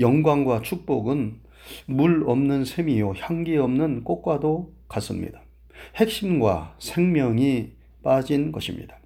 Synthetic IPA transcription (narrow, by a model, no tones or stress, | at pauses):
jʌŋɡwaŋɡwat͡ɕʰuk̚p͈oɡɯn | muɭʌmnɯnsʰemijoçjaŋɡiʌmnɯnk͈ok̚k͈wadokas͈ɯmɲḭd̥a | he̞k̚ɕ͈imɡwa̰sʰe̞ŋmjʌŋi | p͈ad͡ʑinɡʌɕʰimɲḭd̥a